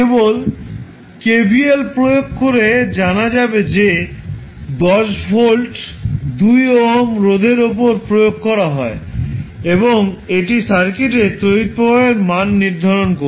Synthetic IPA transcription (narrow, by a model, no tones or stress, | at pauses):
ebol | kebʱielpɾojoɡ̚kːoɾed͡ʑanad͡ʑabed͡ʑe | d̪ɔʃfʰolʈd̪ujoɦmɾod̪ʱeɾop̬oɾpɾojoɡ̚kɔɾaɦɔe | eboŋeʈisaɾkeʈet̪ɾoit̪̚poaeɾmanːiɾd̪ʱaɾonko